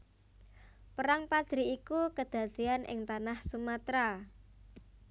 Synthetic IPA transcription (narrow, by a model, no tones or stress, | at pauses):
pəɾaŋpad̪̥ɾiikukəd̪̥ä̤d̪̥ianʔɪ̰ŋt̪anahsumat̪ɾa